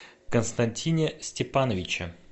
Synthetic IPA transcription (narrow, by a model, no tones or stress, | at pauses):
kənst̪ɐnʲtʲinʲɪsʲtʲɪpanəvʲɪt͡ɕə